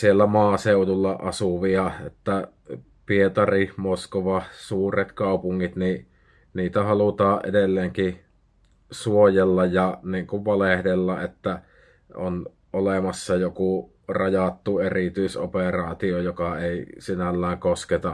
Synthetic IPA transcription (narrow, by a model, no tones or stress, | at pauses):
sielːæmɑːseˑutulːɑʔɑsuʋiɑet̪ːæ | piet̪ɑrimoskoʋɑsuːret̪kɑˑupuŋːit̪ni | niːt̪æhɑlut̪ɑːʔʔḛdelːeːŋki | suojelːɑjjɑniːŋkuʋʋɑlehdelːɑʔet̪ːæ | on | ʔolemɑsːɑjoku | rɑjɑt̪ːuerit̪yiso̰perɑːt̪iojokɑeˑisinælːæˑːŋkosket̪ɑ